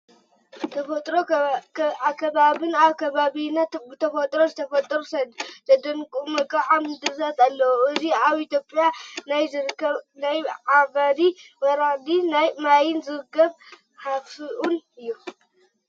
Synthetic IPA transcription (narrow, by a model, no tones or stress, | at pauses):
t̪ʰɐfɐt̪ʼɾo | akʰːɐβaβɨnaβkʰɐβaβinɐt̪bɨt̪ʰɐfɐt̪ʼɾo̞zɨt̪ʰɐfɐt̪ʼɾust̪ʰɐd̪ɐnkʼumɐkʼɐʕamɨd̪ɨɾzat̪alːɐwɨziaβit̪ʰjopʼjanajzɾkːɐnajʕaβad̪imɐɾaʕd̪inajmajɪnzɨɾɨkːɐβ | ħaffiʔunɨjːu